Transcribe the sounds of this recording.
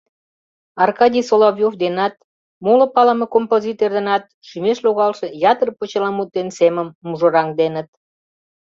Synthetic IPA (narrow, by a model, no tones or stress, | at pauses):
ɑrkɑdʲijsolovʲjovd̪enɑt̪ | molə̆pɑlə̆mekompozʲit̪erd̪enɑt̪̚ʃymeʃloɣɑlʃĕjɑt̪ərpot͡ɕəlɑmut̪̚ːenseməmːuʒoɾɑŋd̪enət̪̚